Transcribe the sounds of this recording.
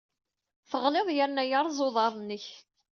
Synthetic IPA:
θəʁlɪðˤjəɾnæjəɾˤzˤoðˤɑɾˤnːəç

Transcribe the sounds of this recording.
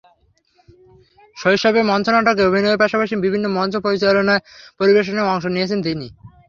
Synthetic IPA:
ʃoiʃabemɔnt͡ɕonaʈak̬eobʱinoepaʃapaʃibibʱinːomɔnt͡ɕopoɾit͡ɕalonaepoɾibeʃ̬oneɔŋʃoniet͡ɕʰent̪ini

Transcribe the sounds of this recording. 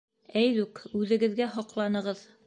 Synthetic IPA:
æjðʉkʉðɘ̆ɡɘ̆ðɡæɦɒqlˠɑnɤ̆ʁɤð

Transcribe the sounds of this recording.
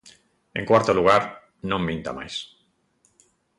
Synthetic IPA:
ẽŋkwaɾt̪oluɣ̞aɾ | nõmbĩnt̪a̰ma̰js

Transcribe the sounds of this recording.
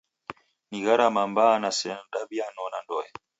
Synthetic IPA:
niɣaɾamambanasɛdabianɔnandɔɛ

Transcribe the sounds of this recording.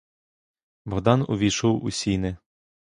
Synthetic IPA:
bɔɦd̪ɑnʊ̰ʋʲiʃɔwʊ̰sʲinɪ

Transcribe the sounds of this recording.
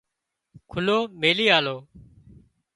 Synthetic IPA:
kʰʊloːmeːliːaːloː

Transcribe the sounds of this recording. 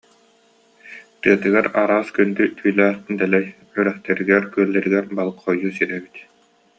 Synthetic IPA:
t̪ɯɐt̪ɯɡaɾaɾaːskynd̪yt̪ʰyːlʲæːt̪nd̪ɛlɛj | œɾɛχt̪ɛɾiɡɛɾkyœlːɛɾiɡɛɾbalˠɯkχɔjːuːsiɾɛbit̪

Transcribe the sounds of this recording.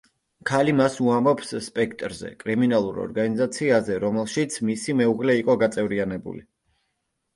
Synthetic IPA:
kʰalimasuambɔpsːpʼɛkʰt̪ʼɾzɛ̰kʼɾiminalˠuɾɔ̰ɾɡanizat̪sʰiazɛɾɔmɛlˠʃit̪sʰmisimɛuʁlɛiqʼɔɡat̪sʼɛvɾianɛbṵlḭ

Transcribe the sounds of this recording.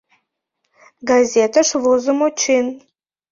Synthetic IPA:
ɡazetʰaʂvozɨmot͡ʃʰin

